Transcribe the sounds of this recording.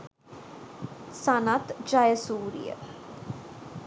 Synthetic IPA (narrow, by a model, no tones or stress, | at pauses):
sanat̪d͡ʒajəsuːɾḭjə̰